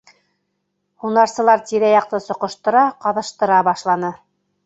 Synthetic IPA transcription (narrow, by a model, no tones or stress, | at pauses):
hunɑɾsɤ̆lˠɑɾt̪iɾæjɑq̚t̪ɤsŏqɤ̆ʃt̪ɤ̆ɾɑqɑðɤ̆ʃt̪ɤ̆ɾɑbɑʃlˠɑnɤ